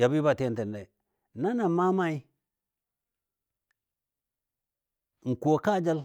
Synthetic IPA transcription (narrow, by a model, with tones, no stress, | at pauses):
ja˨bi˦ba˦˨te˦n˦te˨nde˨ | na˦na˨ma˦ma˦i˦ | ŋ̩˨ko˨ka˦d͡ʒa˦l